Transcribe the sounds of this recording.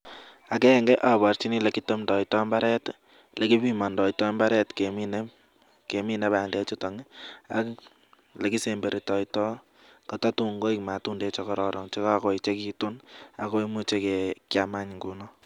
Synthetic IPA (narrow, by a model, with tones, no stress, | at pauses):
a˨kɛ˦ŋɡɛ˦ʔa˨bɔ˨ɾt͡ʃi˦ni˦le˨ki˦to˦mdɔ˨itɔ˦mba˦ɾɛ˦t | lʔe˨ki˦pi˦ma˨ndɔ˨itɔ˦mba˦ɾɛ˦tke˨mi˦ne˦ | ke˨mi˦ne˦ba˨ndɛ˦t͡ʃu˦tɔ˨ŋa̰˦k | le˨ki˦se˨mbe˨ɾe˨tɔ˨itɔ˦ | kɔ˨tɔ˦tu˦ŋɡo˦ikma˨tu˦nde˦t͡ʃɔ˨kɔ˦ɾɔ˨ɾɔ˨ŋt͡ʃe˦ka˦˨ko˨it͡ʃe˦ki˦tu˦na˨ko˦i˦mu˦t͡ʃe˦ke˨kjama˦ɲŋɡu˨˦nɔ˦